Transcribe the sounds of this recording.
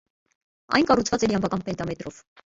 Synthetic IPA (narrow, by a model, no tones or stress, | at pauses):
ɑ̰jnkɑrut͡sʰvɑt͡sɛɾiɑmvɑkɑnpɛnt̪ɑmɛt̪ɾɔv̥